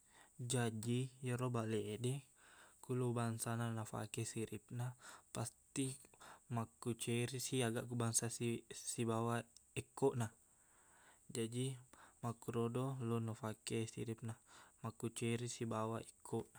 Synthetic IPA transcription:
d͡ʒad͡ʒijəɾobalɛːdɛkulubaŋsananafa̰kɛsiɾip̚napast̪imakut͡ʃɛɾisiaɡaʔkubaŋsasisibawaɛkːɔʔna | d͡ʒadimakuɾodɔlunafakɛsḭɾip̚namakut͡ʃɛɾisibawaikʰːɔʔna

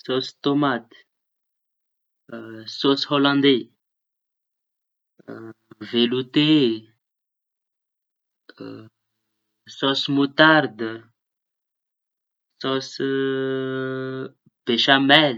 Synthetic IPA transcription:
sosi̥t̪omat̪ | sosholãnd̪e | velut̪e | sɔsimut̪aɾd̪ə | sɔsə | b̥eʃamɛl

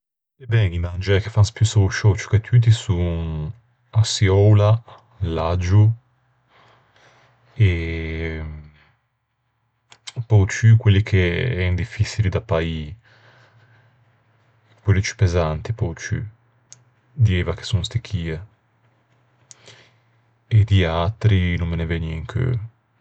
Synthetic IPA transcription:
ebɛɡimand͡ʒɛkefanspjusoʃɔt͡ʃu̥ket̪ʰyːt̪̬isu | asiɔwla | lad͡ʒu | e | pɔjt͡ʃykwelːikʰeɛnd̪ifːit͡ʃilid̪apai | kwelːit͡ʃy̥pezant̪ipɔwt͡ʃy̰ | d̪iɛvake̥sunst̪ikʰːiːe | ed̪iat̪ɾinummenevɛniɛŋkʰø̰

